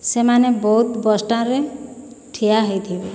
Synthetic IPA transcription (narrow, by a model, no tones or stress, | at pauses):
semanebɔut̪bɔsʈãɾe | ʈʰijaɦejt̪ʰibe